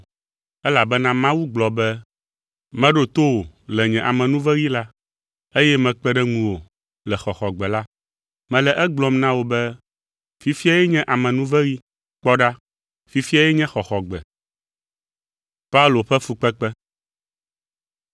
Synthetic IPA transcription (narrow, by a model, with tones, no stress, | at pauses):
ɛ˦la˨bɛ˦nã˦mã˦wu˦ɡ͡blɔ˨bɛ˦ | mɛ̃˦ɖo˦t̪o˦wo˨lɛ˨ɲɛ̃˨ʔa˨mɛ̃˨nũ˦vɛ˦ɣi˦la˦ | e˦jɛ˦mɛ̃˨k͡pɛ˦ɖɛ˦ŋũ˨wo˨ | lɛ˨xɔ˨xɔ˨ɡ͡bɛ˨la˦ | mɛ̃˨lɛ˨ʔɛ˦ɡ͡blɔ˦mnã˦wo˨bɛ˦ | fi˨fi˦a˨jɛ˦ɲɛ̃˦ʔa˨mɛ̃˨nũ˦vɛ˦ɣi˦ | k͡pɔ˦ɖa˦ | fi˨fi˦a˨jɛ˦ɲɛ̃˦xɔ˨xɔ˨ɡ͡bɛ̰˨ | pa˦u˦lo˨ɸɛ˦fu˨k͡pɛ˦k͡pɛ˦